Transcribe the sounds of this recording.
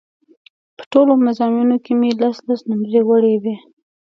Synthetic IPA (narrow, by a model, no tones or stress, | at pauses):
pə̥ʈolomazɑminokemelaslasnamdɾewəɽewe